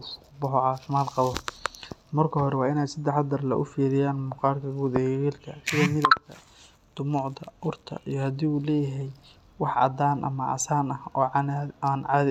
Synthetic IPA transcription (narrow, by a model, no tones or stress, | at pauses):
bʊħʕɑsmaːlqɑβɔ | mɐrkʰɐɦɔɾɛwɑːɪnɛjsɐd̪ɛħd̪ɐrlɐ̰ʔʊfiːɾɪjaːnmʊqɑːrkʰɐɡuðɛɣiːlkʰɐsɪðɐːmɪðɐbt̪ʰɐ̰ | d̪̥ʊmʊʕd̪ɐʔʊrt̪ʰɐ̰ʔijɞhɐd̪iːulɛːjɐɦɛj | wɑħɑ̰d̪aːnʔɐ̰mɐʔɑ̰saːnɐhɔːʕnanʕɑːðɪ